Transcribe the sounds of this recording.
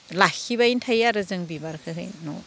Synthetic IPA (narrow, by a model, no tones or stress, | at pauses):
lakʰːibaintʰajaɾɯzɯŋbibaɾkʰɯɦɯ̰jnɔ̰